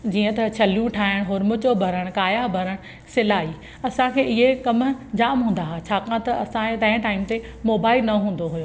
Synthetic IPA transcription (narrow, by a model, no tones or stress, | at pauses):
d͡ʑiːə̃t̪ɐt͡ɕʰɐlijũʈʰaːɦɪɽ̃ɦʊɾmʊt͡ɕobʱɐɾəɽ̃kaːjabʱɐɾəɽ̃ | sɪlaːiː | ɐsãkʰeːɪɦekɐmd͡ʑaːmɦũːn̆d̪aɦat͡ɕʰaːkãt̪ɐɐsãt̪ɐ̃ɦɪ̃ʈaːɪmt̪e | moːbaːɪlnɐɦũːn̆d̪oɦʊjoː